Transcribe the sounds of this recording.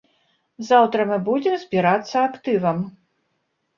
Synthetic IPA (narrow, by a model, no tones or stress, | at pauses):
zawt̪ɾɐmɨbud͡zʲimzʲbʲiɾat̪sːɐakt̪ɨvɐm